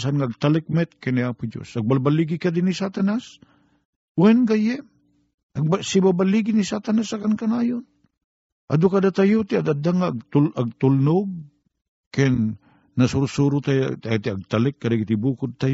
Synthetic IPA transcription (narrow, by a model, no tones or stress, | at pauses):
sanŋaːɡ̚t̪alɛk̚mɛt̪̚kɛniapʊd͡ʒo̰sʔaɡ̚balbaliɡɪkad̪ɪnisat̪anas | wɛnɡajɛm | ʔaɡbsɪbabaliɡɪnisat̪anasakankanaːjon | ʔa̰d̪okad̪at̪ajot̪ɪad̪ad̪aŋaɡ̚t̪ulʔaɡ̚t̪ʊlnʊɡ̚ | kɛnː | asuɾʊsuɾʊt̪aj̰t̪at̪ɪaɡ̚t̪alɛkːadaɡɪt̪ɪbuːkʊd̪̚t̪aj